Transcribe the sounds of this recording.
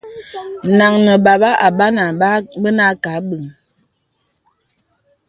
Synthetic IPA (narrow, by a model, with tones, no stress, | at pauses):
na˨ŋnə˨ba˨ba˦ʔa˨ba˦na˨˦bə˦na˦ka˨˦bə˨ŋ